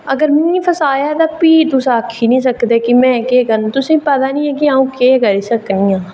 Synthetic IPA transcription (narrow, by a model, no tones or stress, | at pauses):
əɡəɾmɪnĩːpʰəsaːjaːt̪aːpiːt̪ʊsaːkʰːiːnĩːs̬əkd̪eːkimɛ̃ːkeːkəɾñːt̪ʊsĩːpət̪aːnĩːɛ̃ːk̬iaːũːkeːkəɾiːsəknĩːãː